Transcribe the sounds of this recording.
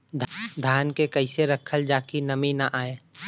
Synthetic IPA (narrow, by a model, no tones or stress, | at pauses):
d̪ʱd̪ʱjaːnkekəɪseɾəkʰəld͡ʒaːkinəminaʔaːeː